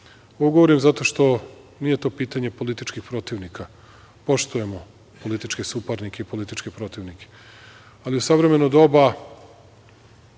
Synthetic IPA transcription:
oɡo̞ʋoɾimzat̪o̞ʃt̪o̞ | nije̞t̪o̞piːt̪aɲe̞po̞lit̪it͡ʃkixpɾo̞t̪iʋnika | po̞ʃt̪uje̞mo̞ | po̞lit̪it͡ʃkesupaɾnike̞ipo̞lit̪it͡ʃkepɾot̪iʋnikʰe̥ | aliusaʋɾe̞me̞nod̪o̞ba

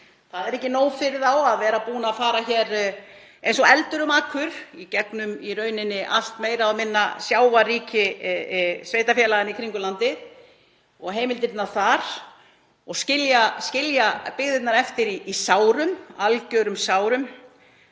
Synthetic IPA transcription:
θaðɛɾɛhcːɪnoːwfɪɾɪðawaðvɛːɾapuːnaːfaːɾaçɛːɾ | ejnsɔɛlt̪ʏɾʏmaːkʰvʏɾ̥icɛknʏmirœːɥnɪnːɪʔal̥t̪meːjɾaamɪnːasjaːwvariːcɪ | sveːjt̪afjɛːlaɣanikʰɾiŋkʏlant̪ɪð | ɔɣɦeːjmɪlt̪ɪɾt̪naɾ̥θaɾ̥ | ɔɣscɪljascɪljapɪɣðɪt̪naɾɛft̪ɪɾiːsaːwɾʏmalcœɾʏmsaːwɾʏm

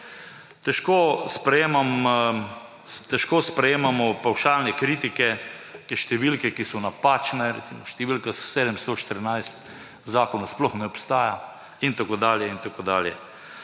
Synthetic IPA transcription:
t̪ɛʃkospɾɛjeːmam | t̪ɛʃkoːspɾɛjeːmamɔpawʃaːlnɛkɾiːt̪ikɛkɛʃt̪ɛʋilkɛkisɔnapaːt͡ʃnɛɾɛ̰t̪simɔʃt̪ɛʋilkasseːd̪əmst̪ɔʃt̪əɾnajst̪ | zaːkɔnasplɔxnɛɔpst̪aːja | int̪akoːd̪aːljɛint̪akoːd̪a̰ːljɛ

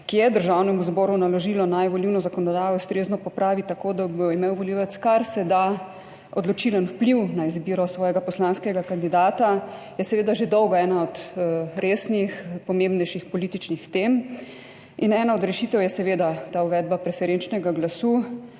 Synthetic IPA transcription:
kijɛd̪əɾʒaːwnɛmuzbɔːɾunalɔʒiːlɔnajʋɔliwnɔzakɔnɔd̪aːjɔust̪ɾeːznɔpɔpɾaːʋit̪akod̪aboimeːwʋɔliwɛt̪skaɾsɛd̪a | ɔd̪lɔt͡ʃilənwpliwnaizbiːɾɔsʋɔːjɛɡapɔslanskɛɡakand̪id̪aːt̪a | jɛsɛʋeːd̪aʒed̪ɔwɡɔɛːnaɔd̪ɾʔeːsnixpɔmembnɛjʃixpɔliːt̪it͡ʃnixt̪em | inɛːnaɔd̪ɾɛʃit̪ɛwjɛsɛʋeːd̪at̪auʋɛd̪̚bapɾɛfɛɾent͡ʃnɛɡaɡlasu

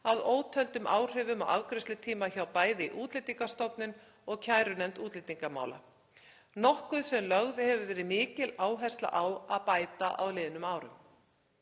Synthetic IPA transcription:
aðoːwt̪ʰœlt̪ʏmʔa̰ːwr̥ɪvʏma̰wa̰wkɾɪst̪ɪt̪ʰiːmaçawpaːjðɪḭʔuːt̪lɪt̪iŋkast̪ɔpnʏn | ɔɣcʰaːjɾʏnɛmt̪uːt̪lɪt̪iŋkama̰ːwla̰ | nɔhkʏðsɛmlœɣðɪhɛvʏɾvɛːɾɪmɪːcɪlaːwɦajst̪la̰ʔawaðpaːjt̪aʔa̰wlɪːðnʏmaːwɾʏ̰m

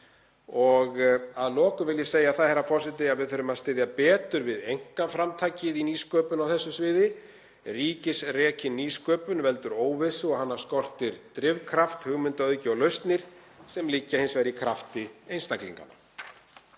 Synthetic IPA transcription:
ɔɣaðlɔːkʏvɪljɪ̥seːjaθaðhɛɾːafɔr̥sɛt̪ɪaðvɪðθœɾʏmaðst̪ɪðjapɛːt̪ʏɾvɪðejŋ̥kafɾamt̪ʰajcɪðiniːskœːpʏnawθɛsːʏsvɪːðɪ | riːcɪsrɛːcʰɪniːskœːpʏnvɛl̪t̪ʏɾoːwvɪsɪɔɣhanːaɾ̥skɔr̥t̪ɪɾt̪ɾɪvkʰɾaft̪hʏɣmʏnt̪aœðcɪɔɣlœɥst̪nɪɾ̥ | sɛmliːcːahɪnsvɛɾikʰɾaft̪ɪejnst̪aklḭŋka̰na̰

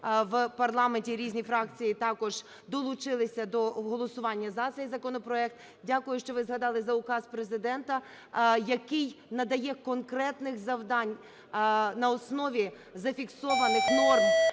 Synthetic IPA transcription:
ʋpɐrlˠɑmenʲtʲiɾʲizʲnʲifɾɑk̚t͡sʲijit̪ɑkɔʒ̥ | d̪ɔlˠʊt͡ʃɪlˠɪsʲɐd̪ɔɦɔlˠɔsʊʋɑnʲːɐzɐt̪sɛjzɐkɔnɔpɾɔɛk̚t̪ | dʲakʊjʊʃt͡ʃɔʋɪzɦɐd̪ɑlˠɪzɐʊkɑspɾezɪd̪ɛnt̪ɐ | jɐkɪjnɐd̪ɐjɛkɔnkɾɛt̪nɪxzɐwd̪ɑnʲ | nɐɔsnɔʋʲi | zɐfʲiksɔʋɐnɪxnɔrm

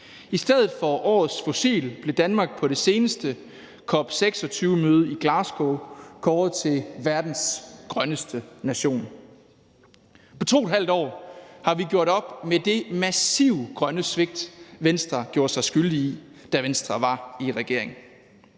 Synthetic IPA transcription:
isd̥eð̞ˠð̩ˠfɒ̽ʔɒ̰ːð̞̩ˠsfo̝sḭːlb̥le̝d̥ænmɑ̈ːɡ̥̚pʰɒ̽ɾ̥e̝se̝ːnəsd̥ə | kʰɒ̽b̥seɡ̥sɒ̽t͡sʰyːʊəmøːð̞ˠɐiɡ̥lɑ̈ːsɡ̥okʰɒːð̩ˠt͡sʰe̝ʋæɐd̥n̩sɡ̥ʁɶnəsd̥ənæɕo̝̰ːn | pʰɒ̽t͡sʰo̝̰ːe̥ɦæl̰d̥ɒ̰ːhɑ̈ʋiɡ̥jo̝ɐ̰ɾ̥ɒ̽b̥med̥e̝mæsiʊ̰ɡ̥ʁɶnəsʋe̝ɡ̥̚d̥ʋensd̥ʁɐɡ̥jo̝ːɐsɑ̈ɪsɡ̥yld̥iid̥æʋensd̥ʁɐʋɑ̈iʁɛɡ̥e̝ɐ̰e̝ŋ

